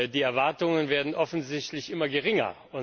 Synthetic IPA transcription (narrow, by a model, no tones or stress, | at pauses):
diːɛɐvaɐtʊŋənveːɐdn̩ʔɔfn̩zɪçtlɪçʔɪmɐɡəʁ̞ɪŋɐ̰ | ʊ